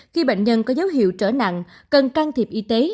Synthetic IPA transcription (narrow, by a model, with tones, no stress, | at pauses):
xi˧ɓə̰˧˨ŋ̟ɲə˧nkɔ˨˦zə˨˦wɦḭ˧˨əwt͡ɕəː˧˩na̰˧˨ŋkə˨˩nkaː˧ŋt̪ʰi˨˩p̚ʔi˧t̪e˨˦